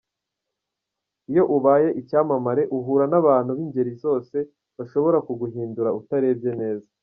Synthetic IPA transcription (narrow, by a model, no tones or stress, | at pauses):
ijo̞ʔuβaːje̞ʔicaːmamaɾe̞ʔuɦuːɾanaβaːn̥huβiɲɟe̞ɾizo̞ːse̞ | βaʃo̞βo̞ɾakuɡuɦiːnduɾautaɾe̞ːbɟe̞ne̞ːza